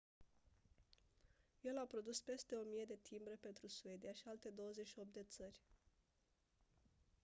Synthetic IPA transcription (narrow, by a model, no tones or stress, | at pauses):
je̞lapɾo̞d̪uspe̞st̪e̞o̞mije̞d̪e̞t̪ʰimbɾepe̞nt̪ɾusue̞d̪ijaʃialt̪e̞d̪o̞wəzeʃio̞p̚t̪d̪e̞t̪sərʲ